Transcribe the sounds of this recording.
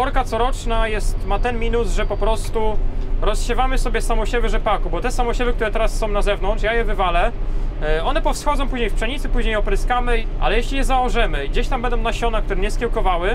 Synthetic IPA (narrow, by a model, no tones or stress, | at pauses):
ɔɾkat̪sɔɾɔt͡ʂnajɛst̪mat̪ɛnmʲinusʐɛpɔpɾɔst̪uɾɔsɕɛvamɘsɔbʲjɛsamɔɕɛvɘʐɛpakubɔt̪ɛsamɔɕɛbɘk̚t̪uɾɛt̪ɛɾasːɔ̃w̃nazɛvnɔnt͡ʂjajɛvɘvalɛ | ɔnɛpɔfsxɔd̪zɔ̃w̃puʑɲejfpʂɛɲit̪sɘpuʑɲejɔpɾɘskamɘʔa̰lɛjeɕʲlʲijɛzawɔʐɛmɘiɡd͡ʑeɕt̪ambɛnd̪ɔ̃wnaɕɔnak̚t̪uɾɛɲɛskʲɛwkɔvawɘ